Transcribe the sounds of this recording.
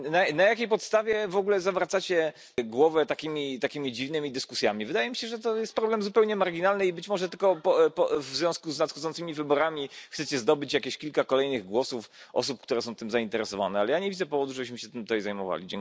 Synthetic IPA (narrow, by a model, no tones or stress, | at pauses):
nanajakʲejpɔt̪st̪avʲjɛvɔɡulɛzavɾat̪sat͡ɕɛ | ɡwɔvɛt̪akʲimʲit̪akʲimʲid͡ʑivnɘmʲid̪ɘskusʲjamʲivɘd̪ajɛmʲiɕɛʐɛt̪ɔjɛst̪̚pɾɔblɛmzupɛwɲɛmaɾɡʲinalnɘibɘt͡ɕmɔʐɛt̪ɘlkɔpɔpɔvzvʲɔ̃skuznat̪xɔd̪zɔnsɘmʲivɘbɔɾamʲixsɛt͡ɕɛzd̪ɔbɘt͡ɕjakʲeɕkʲilkakɔlɛjnɘɣɡwɔsufʔɔ̰supkt̪uɾɛsɔ̃w̃t̪ɘmzaint̪ɛɾɛsɔva̰nɛalɛjaɲeɛvʲid̪zɛpɔvɔd̪uʐɛbɘɕmɘɕɛt̪ɘmt̪ut̪ɛjzajmɔ̰va̰lʲḭd͡ʑɛ̰ŋk